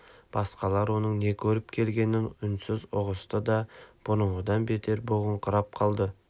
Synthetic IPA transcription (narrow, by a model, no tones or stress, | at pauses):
b̥ɑsqɑlˠɑɾwo̞nəɴne̞kʲʰɵɾɪpkʲʰe̞lɡʲe̞nːɪŋʏnsɪzʊʁəst̪əd̪ɑb̥ʊɾəɴəd̪ɑnbe̞t̪ʰe̞ɾbʊʁəɴqʰəɾɑp̚qʰɑlˠd̪ə